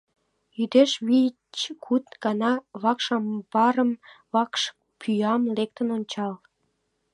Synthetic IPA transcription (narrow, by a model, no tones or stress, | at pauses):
jyd̪eʃβi | t͡ɕkʰut̪ɡ̥ɑnɑβɑkʃɑmbɑɾəmβɑkʃ | pʰyjɑmlek̚t̪ənonʲt͡ɕɑl